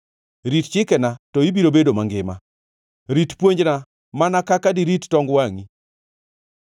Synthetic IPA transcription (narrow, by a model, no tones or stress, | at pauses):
ɾitt͡ʃɪkɛnatɔibiɾobedomaŋɡɪma̰ | ɾitpwoɲd͡ʒna | manakakadiɾitːɔŋɡwaŋi